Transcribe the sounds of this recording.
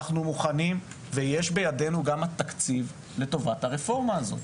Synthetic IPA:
χnumuχanim | vejeʃbe̞jade̞nuɡamat̪akt͡siv | le̞to̞vathaʁefo̞ʁmaːzo̞̰

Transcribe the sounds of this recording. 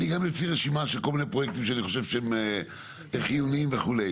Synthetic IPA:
niɡamjofiʁeʃimaʃelkolminepʁo̞jek̚t̪imʃeaniχo̞ʃe̞vʃeeme | eχijunimveχulej

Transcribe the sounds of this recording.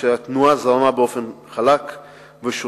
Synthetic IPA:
eat̪nuazaʁamabeo̞fe̞nχalak | veʃo

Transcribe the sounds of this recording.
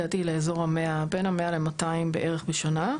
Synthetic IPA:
at̪ileezo̞ʁameabe̞nhamealemataimbeʔeʁeχbeʃana

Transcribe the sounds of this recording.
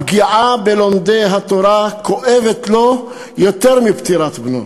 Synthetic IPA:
bɡiʕabelomd̪ejɦat̪oɾako̞ʔevet̪lo̞ | jo̞t̪eʁmipt̪iʁat̪bnṵ

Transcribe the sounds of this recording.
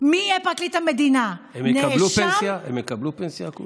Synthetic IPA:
mijɛpaklit̪hamed̪inaemenalupenasjaemekablupensjaku

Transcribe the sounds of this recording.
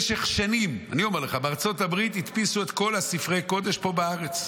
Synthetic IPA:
ʃeχʃanima̰nio̞meʁleχabeaʁt͡so̞tabʁit̪it̪pisuet̪ko̞lasifʁe̞jko̞d̪e̞ʃpo̞baaʁet͡s

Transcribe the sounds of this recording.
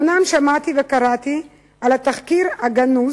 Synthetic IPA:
namʃamat̪ivekaʁat̪i | alat̪aχkiʁhaɡanuz

